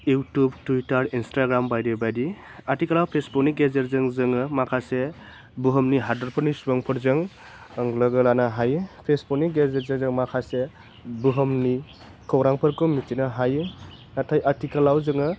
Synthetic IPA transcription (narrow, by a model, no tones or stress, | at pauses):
jutubtuitaɾinstaɡɾambajdebajdiaɾtikəlawpʰesbukniɡezeɾzɯŋzɯŋɯmakʰase | buɦəmniɦadaɾpʰɯɾnisubɔŋpʰɯɾzɯŋ | əŋləɡɯlanaɦajpʰespɔkniɡezeɾzezɯŋmakʰase | buɦəmni | kʰɔwɾaŋpʰɯɾkɔmitinaɦajɯ | natʰajʔaɾtikəlawzɯŋɯ